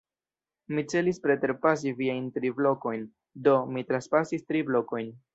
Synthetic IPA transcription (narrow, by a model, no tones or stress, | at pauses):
mit͡se̞lispɾe̞te̞ɾpas̬iviajntɾiblo̞ko̞jn | do̞mitɾanspasistɾiblo̞ko̞jn